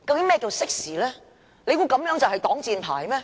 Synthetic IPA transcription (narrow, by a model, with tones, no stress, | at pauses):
kɐ˧wkɪ˨˥ŋmɛː˥˩ki˧wsɪ˥k̚siː˨˩lɛː˥ | le˨˧jku˨˧kɐ˨˧mjœː˨˥ŋt͡sɐ˨wɦɐ˨jt̪ɔː˨˥ŋt͡siː˨˧npʰa̰ː˨˩jmɛː˧˥